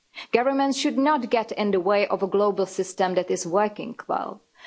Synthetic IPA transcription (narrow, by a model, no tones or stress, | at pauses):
ɡ̥ʌvə˞mə̃ntʃɨdnətɡ̥ɛɾɪ̃nðəweɪʔɔvəɡloʊbl̩ˠsɪstə̃mðætɨzwɜ˞kɪ̰̃ŋkʰlɛ̰lˠ